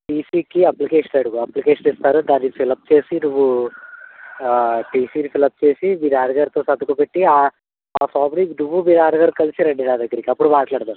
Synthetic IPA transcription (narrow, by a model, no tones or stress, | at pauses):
ʈiːsiːkiɐplikeːʂɐnɐɽukoɐplikeːʂɐnist̪aːɾud̪aːnːikipʰilɐp̚t͡ʃe̞ːsinuʋːu | ʈiːsinipʰilɐp̚t͡ʃeːsibiɾaːɾɐɡaːɾt̪oːsɐd̪ukupeʈːiaː | aːsaːbɾinuʋːubiɾaːɾɐɡaːɾkɐlisiɾeɳɖinaːd̪ɐɡːɐɾikiɐpːuɽumaːʈlaːɽt̪aːɾu